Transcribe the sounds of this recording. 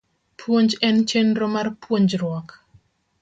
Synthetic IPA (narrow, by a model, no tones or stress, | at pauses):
pʰwoɲd͡ʒɛnt͡ʃendɾomarpwoɲd͡ʒɾwɔk